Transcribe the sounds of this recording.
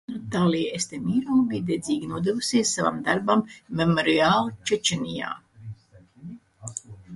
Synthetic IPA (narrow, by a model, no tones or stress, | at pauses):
nut̪aːliest̪emiːɾɔːɡid̪ɛd̪zʲiːɡʲinuɔd̪evusiɛsːava̰md̪aɾbamːemɔɾiaːlˠt͡ʃɛt͡ʃenija̰ː